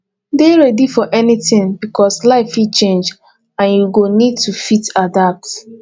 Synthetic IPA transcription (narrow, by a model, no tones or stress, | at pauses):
deɹɛdifɔʔɛnitĩnbikɔslaɪfit͡ʃẽnd͡ʒ | ãnjuɡonid̚tufitadap̚t